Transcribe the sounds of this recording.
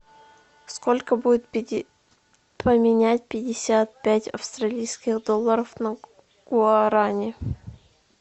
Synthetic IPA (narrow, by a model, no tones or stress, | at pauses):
sko̞lʲkəbudʲɪt̪̚ | pəmʲɪnʲæt̚ʲpʲɪdʲɪsʲat̪̚pʲætʲɐ̰fst̪ɾɐlʲijskʲɪxd̪olˠːəɾəfnə | ɡ̥ʊɐɾanʲɪ